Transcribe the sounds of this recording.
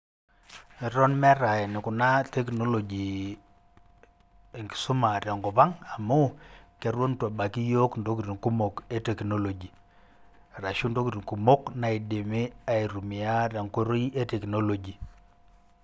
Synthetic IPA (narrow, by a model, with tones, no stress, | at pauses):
i˨ɾɔ˦nmɛ˦ɾa˨ɛ˨nɪ˨kʊ˨na˦te˦kno˦lo˨d͡ʒi˨ | ŋɡi̥˨sʊ˦ma˨ɾja˨ŋkɔ˨pa˦ŋa˨mo˦kɛ˨˦ɾwo˦ntwa˨ba˨ki˦jo˦kndo˦ki˨ɾi˨ŋku˦mo˨ke˦te˨kno˦lo˨d͡ʒi˨ | ɾa˨ʃu˦ndo˦ki˨ɾi˨ŋku˨mo˦kna˨i˨de˨me˦a˨i˨ɾu˨mi˨a˦ɾja˨ŋko˦ɾo˦i˦ʔe˦te˨kno˦lo˨d͡ʒi˨